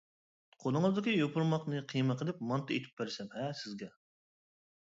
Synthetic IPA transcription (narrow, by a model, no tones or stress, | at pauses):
qʰolˠɨŋɨzd̪ɪkʲijopʰuɾmɑqnɨqʰijməqʰəlˠɪp̚mɑnt̪ʰɨet̪ʰɪ̥p̚bæɾsɛmhɛsɪzɡʲɛ